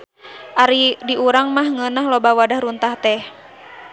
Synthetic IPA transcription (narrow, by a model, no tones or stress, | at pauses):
ʔaɾidiuɾaŋmahŋənaɦlobawadahɾunt̪aht̪ɛh